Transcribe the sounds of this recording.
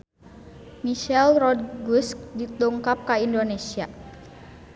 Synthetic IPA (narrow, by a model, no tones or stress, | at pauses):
miʃɛlrɔdɡusk̚dit̪uŋkap̚kaindonesia